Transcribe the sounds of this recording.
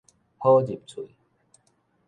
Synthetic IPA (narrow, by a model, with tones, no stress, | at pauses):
ho˦d͡ʑi˨˩p̚t͡sʰu˨